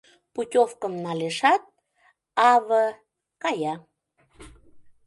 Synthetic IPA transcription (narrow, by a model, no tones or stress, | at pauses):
putʲofkəmnɑleʃɑt̪̚ | ɑβə | kɑjɑ